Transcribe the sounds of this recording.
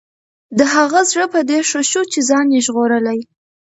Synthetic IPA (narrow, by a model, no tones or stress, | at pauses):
d̪əaɣazɻəpəd̪eʂoʃut͡ʃezɑnjeʒɣoɾəlaj